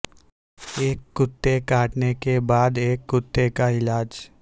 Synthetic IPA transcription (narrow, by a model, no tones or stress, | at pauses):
eːkːʊt̪ːekaːʈnekebaːd̪eːkːʊt̪ːekaɪlaːd͡ʒ